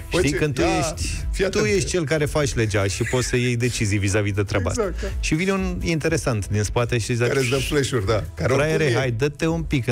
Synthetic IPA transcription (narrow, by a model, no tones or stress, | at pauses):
ʃt̪ikɨnd̪t̪ujeʃt̪ʲ | ft̪ujeʃt̪̚ʲt͡ʃe̞lkaɾe̞fat͡ʃʲled͡ʒaʃipo̞t̪səjejd̪e̞t͡ʃizijvizavid̪et̪ɾaba̰tʃivine̞unint̪e̞ɾe̞sant̪d̪inspat̪eʃiizaesd̪əfleʃurd̪akaɾɾajeɾeɦajd̪ət̪ːeumpik